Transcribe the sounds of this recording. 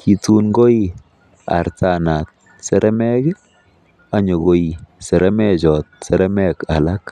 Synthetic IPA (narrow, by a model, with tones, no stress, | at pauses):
ki˨tu˦nɡo˦i˦ | a̰˨ɾta˨na˨t̚ | sɛ˦ɾʔɛ˦mɛ˦ɡɪ˦ | a˨ɲo˨ɣo˦i˨sɛ˨ɾɛ˦mɛ˦d͡ʒɔ˨t̚sɛ˨ɾɛ˦mɛ˦˨ka˨la˦k